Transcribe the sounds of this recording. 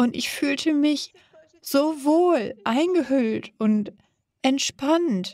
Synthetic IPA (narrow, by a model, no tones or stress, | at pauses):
ʔʊntɪçfyːltʰəmɪç | z̥oːvoːlʔaɪnɡəhʏltʊnt | ʔɛntʃpant